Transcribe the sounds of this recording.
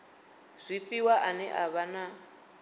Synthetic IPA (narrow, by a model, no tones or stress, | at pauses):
z̥ʷifiwaʔanɛ̰ʔaβana